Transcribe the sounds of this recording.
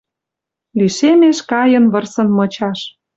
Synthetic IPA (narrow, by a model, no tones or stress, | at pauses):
liʃemeʃkɑjɤ̆nβɤ̆rsɤ̆nmɤ̆t͡ɕɑʃ